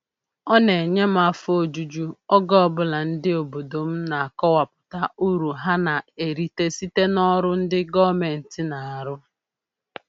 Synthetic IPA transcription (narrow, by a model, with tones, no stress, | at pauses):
ɔ˦ne˨ɲe˦m̩˦a˦fo˨d͡ʒu˨˦d͡ʒu˦ɔ˦ɡɔ˦ɔ˦bʊ˦la˨n̩˦dɪ˦o˨bo˨do˨m̩˦na˨a˨kɔ˦wa˨pʊ̥˨ta˦u˦ɾu˨ɦa˦na˨e˨ɾi˨te˦si˦te˦nɔ˦ɾʊ˦n̩˦dɪ˦ɡɔ˦me˨n̩˨tɪ˦na˨a˨ɾʊ˦